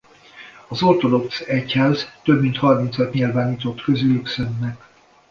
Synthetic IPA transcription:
ɒzort̪o̞d̪o̞ksɛchaːzt̪øbmint̪hɒrmint̪sɒt̪ɲilvaːniːt̪o̞t̪køzylyksønːɛk

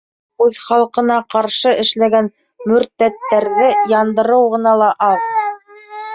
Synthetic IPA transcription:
ʉðχɑlˠqɤ̆nɑqɑɾʃɤʔɘ̆ʃlæɡæn | mɵ̆ɾt̪æt̪ːæɾðɘjɑnd̪ɤ̆ɾɤwʁɤ̆nɑlˠɑʔɑð

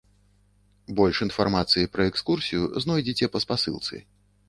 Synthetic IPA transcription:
bɔlʲʂinfarmat̪sɨjipɾɐɛkskursʲijṵznɔjd͡zʲit͡sʲɛpɐspasɨ̰lˠt̪sɨ̰

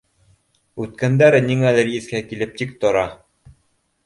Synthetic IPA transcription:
ʉt̪̚kænd̪æɾɘniŋælɘɾiθkækilɘp̚t̪ik̚t̪ŏɾɑ

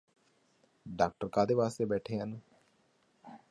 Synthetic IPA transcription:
ɖaːk̚ʈəɾkãːd̪eːʋaːst̪eːbɛːʈʰeːɦən

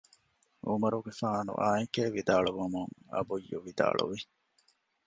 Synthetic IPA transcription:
ʔumɐɾuɡefaːnṵʔaːeŋkeːʋid̪aːɭuʋɐmuŋɐ̰bujːuʋid̪a̰ːɭṵʋi

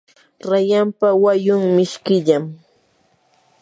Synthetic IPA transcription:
ɾajampawajʊŋmɪʃkɪʎam

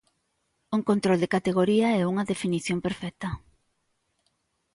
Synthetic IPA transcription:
uŋkont̪ɾold̪ekat̪eɣoɾiɐɛuŋɐðefiniθjompeɾfɛk̚t̪ɐ

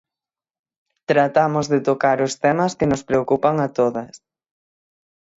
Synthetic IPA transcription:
t̪ɾat̪amʊzðɪt̪okaɾʊst̪ɛmɐskɪnʊspɾeokupaŋat̪oðɐs

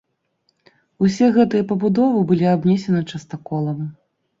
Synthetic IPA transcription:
usʲɛɣɛt̪ɨjɐpɐbud̪ɔvɨbɨlʲiabnʲɛsʲɛnɨt͡ʂɐst̪akɔlˠɐm

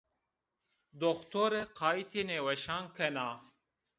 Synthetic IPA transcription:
d̪oxt̪oɾeqʰaːit̪ʰinewɐɕaːŋkʰenaː

